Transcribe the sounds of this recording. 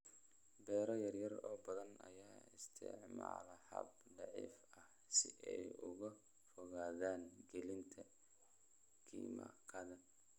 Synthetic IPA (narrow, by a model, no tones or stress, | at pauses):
bɛːɾɐjɐrjɐrɔːbɐðɐnɐ̰jaːɪ̰st̪ʰɪ̰ʕmaːlɐħɐ̰bd̪ɑʕḭːfɐh | sɪʔɛjʊɣɐ | fɔɣaːðaːŋɡɛlɪnt̪ʰɐ | kʰḭːmɐ̰qʰɑðɐ